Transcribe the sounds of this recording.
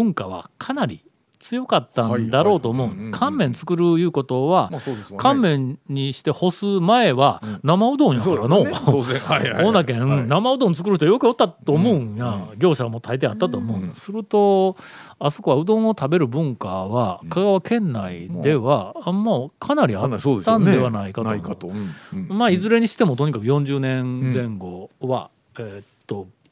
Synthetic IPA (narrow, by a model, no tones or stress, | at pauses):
bɯ̟̃ŋkaβa̰kʰanaɾʲḭ | t͡sɨjo̞kat̪ːãnd̪aɾo̞ːt̪o̞ːmoɯ̃kʰãmːẽ̞nt͡sɨ̥kɯ̟ɾɯ̟jɯ̟ːko̞t̪o̞βakʰãmmːẽ̞ɲɲːiɕi̥t̪e̞ho̞sɨmae̞βanamaɯ̟d̪õ̞ɰ̃jakaano | õnːakẽ̞namaɯ̟d̪õnt͡sɨ̥kɯ̟ɾɯ̟çit̪ojo̞kɯ̟jot̪ːat̪ːo̞ːmoɯ̃jaɡʲo̞ːɕamo̞t̪ʰait̪eat̪ːat̪o̞ːmo̞ɯ̟̃nasɨɾɯ̟t̪o̞ | aso̞̥ko̞βaɯ̟d̪õ̞ɰ̃o̞t̪abe̞ɾɯ̟bɯ̟̃ŋkaβakaɡaβakʰẽ̞nːaid̪e̞βamːokʰanaɾʲiaːãnd̪dd̪e̞βanaikat̪om | maizɨɾe̞ɲ̟iɕi̥t̪e̞mo̞t̪o̞ɲ̟ikakɯ̟jõɲ̟d͡ʑɨːnẽ̞nzẽ̞ŋɡo̞βa̰ | et̪ːo̞